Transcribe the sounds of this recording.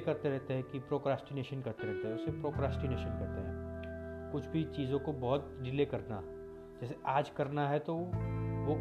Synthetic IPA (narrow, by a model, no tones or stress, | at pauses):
kɐɾt̪eɾɛɦt̪eɦɛ̃kipɾoːkɾaːsʈɪneːʃənkɐɾt̪eɾɛɦt̪eɦɛ̃ʊsepɾoːkɾaːsʈɪneːʃənkɐɾt̪eɦɛ̰̃ːkʊt͡ʃʰbʱit͡ʃiːzõkobɔɦʊt̪̚ɖɪleːkɐɾna̰ | d͡ʒɛːseʔaːd͡ʒkɐɾnaɦɛt̪oʋo